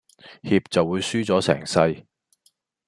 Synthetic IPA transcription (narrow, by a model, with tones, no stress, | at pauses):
hiː˧p̚t͡sɐ˨wːuː˨˧jsyː˥t͡sɔː˨˥sɛ̰ː˨˩ŋsɐ˥j